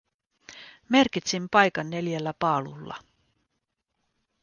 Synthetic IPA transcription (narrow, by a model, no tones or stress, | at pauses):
me̞rkit̪simpɑjkɑnːe̞ljelːæpɑːlṵlːɑ̰